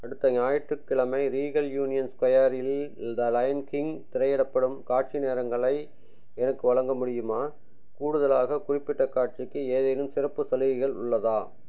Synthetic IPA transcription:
ɐɽɯt̪ːɐɲaːjɪʈrɯkːɪɭɐmɐɪɾiːɣɐljuːnɪjɐnskwɐjaːɾɪld̪ɐlɐjɐnkɪŋt̪ɪɾɐɪjɛɽɐpːɐɽɯmkaːʈ̚t͡ʃineːɾɐŋɡɐɭɐɪ | ɛnɐkːɯʋɐɭɐŋɡɐmʊɽɪjɯmaː | kuːɽɯðɐlaːɣɐkʊrɪpːɪʈːɐkaːʈ̚t͡ʃɪkːɯeːðɐnɯmsɪrɐpːɯsɐlɪʋɪɣɐɭʊ̰ɭːɐðaː

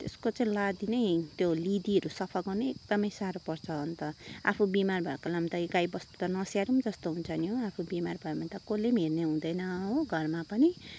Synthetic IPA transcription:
t̪eskot͡saĩlad̪inejt̪jolid̪iʌɾusʌpʰʌɡʌnʌek̚d̪ʌmʌjsaɾopʌrt͡sʰʌɦʌnt̪ʌa̰pʰubimarbʱʌekolamt̪ʌiɡajbʌst̪u̥t̪ʌnʌsjaɾumd͡zʌst̪oɦunt͡sʰʌnjoapʰubimarbʱʌjemʌnt̪ʌkolemerneɦũd̪ʌjnʌõɡʱʌrmapʌni

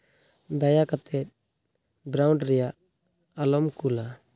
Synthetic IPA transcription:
d̪ajakat̪ɛt̪̚ | bɾawɳɖɾɛjaʔ | alɔmkula

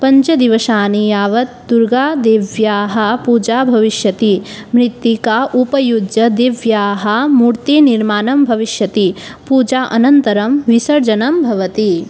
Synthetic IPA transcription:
pɐ̃ɲt͡ʃɐd̪iʋɐʃaːnijaːʋɐt̪̚d̪uɾɡaːd̪eːʋjaːɦɐ̆puːd͡ʒaːbʱɐʋiʃjɐt̪imɾɪt̪ːjikaʔupɐjudd͡ʒɐd̪eːʋjaːɦɐ̆muɾt̪iniɾmaːnɐmbʱɐʋiʃjɐt̪ipuːd͡ʒaːʔɐnɐnt̪ɐɾɐmʋisɐɾd͡ʒɐnɐmbʱɐʋɐt̪i

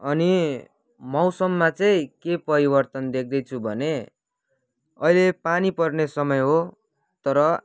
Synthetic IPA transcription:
ʌni | mʌwsʌmːat͡sʌĩkepʌɾibʌrt̪ʌnd̪ek̚ʰd̪ʌjt͡sʰubʱʌne | ʌ̰ilepanipʌrnesʌmʌjɦo | t̪ʌɾʌ

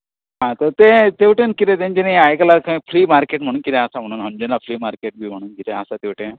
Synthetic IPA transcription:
ɦãt̪ɔɾt̪et̪eʋʈenkit̪et̪ẽɲd͡ʑeneajkəlakʰãĩpʰɾiːmaɾkeʈm̤əɽ̃uːnkit̪ẽɐsam̤əɽ̃uːnɦɔɲd͡ʑɔnlapʰliːmaɾkeʈ̚bʱiːm̤əɽ̃uːnkit̪ẽasat̪eʋʈen

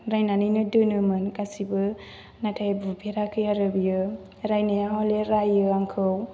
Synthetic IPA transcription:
ɾajnaninɯdɯnɯmɯnkasibɯ | natʰajbubʰʱeɾakʰɯjaɾɯbijɯ | ɾajnajaɦɔleɾajɯaŋkʰɯw

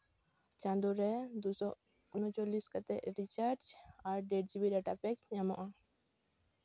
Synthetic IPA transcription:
t͡ʃãnd̪uɾɛd̪usɔ | ʊnɔt͡ʃɔliskat̪ɛʔɾit͡ʃaɾt͡ʃaɾɖɛʈ̚d͡ʒibiɾɛʈapɛksɲamɔʔa

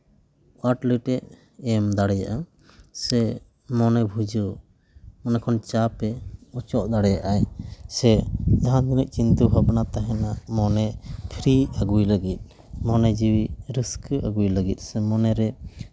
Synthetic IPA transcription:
aɾʈlɛʈɛʔ̪ | ɛmd̪aɽɛja̰ʔa | sɛ | mɔnɛbʱud͡ʒuʔ | mɔnɛkʰɔnt͡ʃapɛɔt͡ʃɔʔd̪aɽɛjaʔajsɛd͡ʒaɦãd̪inəʔ̚t͡ʃint̪uɦəbnat̪aɦɛnamɔnɛp̪ʰɾiaɡujləɡit̪̚ | mɔnɛd͡ʒiwiɾiskʔaɡujləɡit̪̚ˀsɛmɔnɛɾɛ

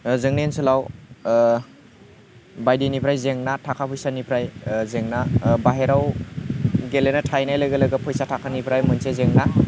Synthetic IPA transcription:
zɯŋnensɯlaw | bajdinipʰɾajzeŋnatʰakʰapʰɔjsanipʰɾajzeŋnabaɦeɾaw | ɡelenatʰajnajləɡɐləɡapʰɔjsatʰakʰanipʰɾajmɯnsezeŋna

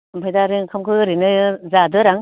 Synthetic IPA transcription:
mbʰʱajdaɾɯŋkʰamkʰɯɾinɯzadɯɾaŋ

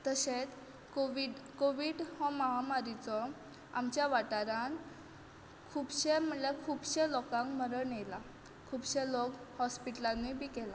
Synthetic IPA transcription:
t̪əɕet͡s | koʋiɖkoʋiːɽhɔ̃maɦamaɾit͡sɔ | amt͡ɕjaʋaʈaɾãn | kʰuːbɕeməlekʰuːbɕelɔkãŋkməɾəɳjela | kʰuːbɕelokhɔspiʈəlanːibʱiːkɛla

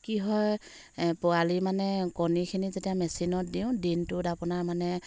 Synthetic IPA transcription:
kiɦɔj | pʊalimanɛkɔnikʰinizetijamɛsinɔt̚diʊ̃dintʊtapʊnaɹmanɛ

